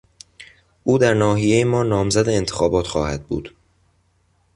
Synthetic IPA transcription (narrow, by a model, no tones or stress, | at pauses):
ʔuːd̪æɾnɒːɦije̞jemɒːnɒːmzæd̪eːnt̪ʰexɒːbɒːt̪xɒːhæd̪̚bṵːd̪̥